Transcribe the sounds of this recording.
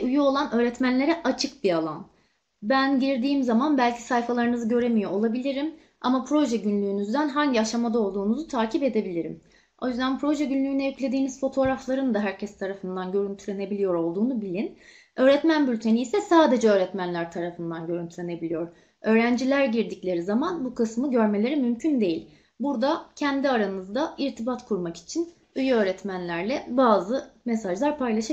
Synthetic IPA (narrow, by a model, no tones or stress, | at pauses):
ujuo̞lˠanø̞ːɾɛt̪mænlʲe̞ɾɛʔat͡ʃʰɯk̚bialˠan | bænɟiɾd̪iːmzamanbælʲcʰi̥sajfalˠaɾɯnɯzɯɟø̞ɾe̞mijoolˠabilʲiɾim | a̰mapʰɾo̞ʒɛɟynlʲyːnyzd̪ænɦaɲɟiaʃamad̪ao̞lˠd̪uːnuzut̪ʰaːcipe̞d̪e̞bilʲiɾḭm | o̞jyzd̪ænpʰɾo̞ʒɛɟynlʲyːnɛyclʲe̞d̪iːniz̥fo̞t̪ʰo̞ːɾaflˠaɾɯnd̪aɦæɾcʰɛst̪ʰaɾafɯnd̪anɟø̞ɾynt̪ʰylʲe̞ne̞bilʲijo̞ɾo̞lˠd̪uːnubilʲin | ø̞ːɾɛt̪mænbylʲt̪ʰe̞niːsɛsaːd̪e̞d͡ʒɛø̞ːɾɛt̪mænlʲæɾt̪ʰaɾafɯnd̪anɟø̞ɾynt̪ʰyɾʲe̞ne̞bilʲijo̞ɾ | ø̞ːɾænd͡ʒilʲæɾɟiɾd̪iclʲe̞ɾizamanbukɯsmɯɟø̞ɾme̞lʲe̞ɾimymcʰynd̪e̞jilʲ | buɾd̪acʰænd̪iaɾanɯzd̪aiɾt̪ʰibat̪kʰuɾmaki̥t͡ʃʰin | yjø̞ːɾɛt̪mænlʲæɾlʲɛbaːzɯmesaʒlˠaɾpʰajlˠaʃa